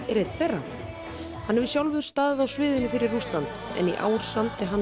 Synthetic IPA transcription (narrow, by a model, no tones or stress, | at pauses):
ɛɾejt̪θejrːa | hanːɛvisjawlvɪʏɾ̥st̪aːððawsvɪːðʏnʏfɪɾɪrːust̪lant̪ɛ̰niʔa̰ːwɾ̥samt̪ɪɦan